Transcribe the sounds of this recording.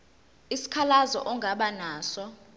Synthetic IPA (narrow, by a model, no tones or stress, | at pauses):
isi̥kʰalazɔ̰ʔɔŋɡʱaɓanaːsɔ